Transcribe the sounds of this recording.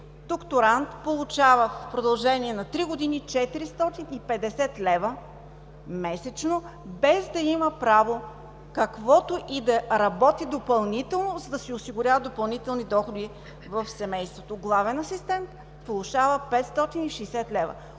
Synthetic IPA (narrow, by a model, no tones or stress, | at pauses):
d̪̥okt̪oɾant̪polˠut͡ʃavəfpɾod̪ɐlˠʒɛniɛnɐt̪ɾiɡod̪init͡ʃɛt̪iɾist̪ɔt̪inipɛd̪ɛsɛt̪lɛvə | mɛsɛt͡ʃnobɛzd̪ɐiməpɾavo | kɐkvɔt̪oʔid̪ɐɾɐbɔt̪id̪opɐlˠnit̪ɛlˠnozɐd̪ɐsiɛʊsiɡʊɾʲavəd̪opɐlˠnit̪ɛlˠnid̪ɔxod̪i | vɐfsɛmɛjst̪vot̪oɡlˠavɛnɐsist̪ɛnt̪ | polˠuʃavəpɛt̪st̪ɔt̪iniʃɛjsɛt̪lɛvɐ̰